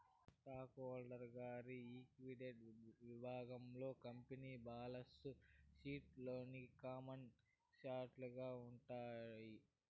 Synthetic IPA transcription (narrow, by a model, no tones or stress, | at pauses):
sʈaːkoːlɖɐɾɡaːɾiiːkʋiɖeɖʋibʱaːɡɐmlo̞ːkɐmpeniːbaːlɐsuʃiːʈloːnikaːmɐn | ʃaːʈluɡaːuɳʈaːji